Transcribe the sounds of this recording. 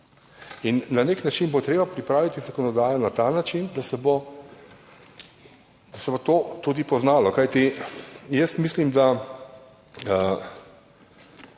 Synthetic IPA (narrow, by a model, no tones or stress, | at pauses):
inːaneknat͡ʃinbot̪ɾeːbapɾipɾaːʋit̪izakɔnɔd̪aːjɔnat̪anat͡ʃind̪asɛbo | d̪̥asɛbot̪oːt̪ud̪ipɔznaːlɔkajt̪ijɛst̪mislimd̪a | ə